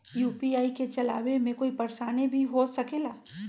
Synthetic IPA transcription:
juːpiaːiket͡ʃɐla̰ːwemẽkoːipɐɾsaːnebʱiɦoːsɐkeːlaː

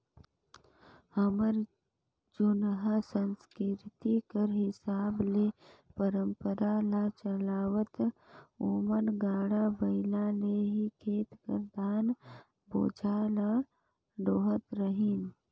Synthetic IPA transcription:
əməɾ | d͡ʒʊnɦəsənskɪɾt̪ikəɾɦɪsaːblepəɾəmpəɾalat͡ʃəlaːwət̪umənɡaːɽabəɪlaleɦikʰeːt̪kəɾd̪aːn | bo̰ːd͡ʒʱaːla | ɖoːɦət̪ɾəɦiːn

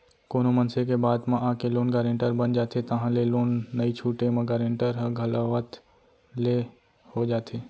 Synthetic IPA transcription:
koːnomənsekebaːd̪mãʔãːkeloːnɡaːɾẽɳʈəɾbənd͡ʒaːt̪et̪əɦãleloːnːəit͡ʃʰuːʈemə̃ɡaːɾẽːɳʈəɾɦə̃ɡʱɐlaʋət̪ | le | hod͡ʒaːt̪ʰeː

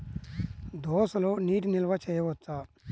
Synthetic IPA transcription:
d̪ɔːsɐloːniːʈinilɐʋɐt͡ʃɛːjɐʋɔt̪ːa

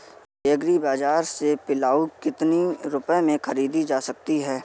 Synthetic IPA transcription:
ɪəɡɾibaːd͡ʒaːɾsepɪlaːukɪt̪niɾʊpemẽxʰɐɾiːd̪id͡ʒaːsɐk̚t̪iɦɛː

